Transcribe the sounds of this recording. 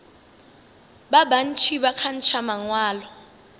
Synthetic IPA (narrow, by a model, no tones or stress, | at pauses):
ɓaban̩t͡ʃʰiɓakʰan̩t͡ʃʰamaŋwaːlɔ